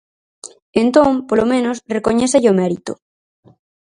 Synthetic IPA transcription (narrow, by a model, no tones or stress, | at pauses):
ent̪õmpolomẽnosrekoɲeθeʎomɛɾit̪o